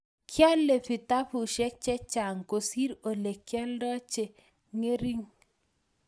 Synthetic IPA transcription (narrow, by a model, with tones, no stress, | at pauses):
kʰja˦lːe˨pi˨ta˦pu˨ʃɛ˦t͡ʃɛ˦t͡ʃa˨ŋko˨si˦ɾo˨le˨kjɛ˦ldɔ˦t͡ʃe˨ | ŋe˦ɾi˦ŋ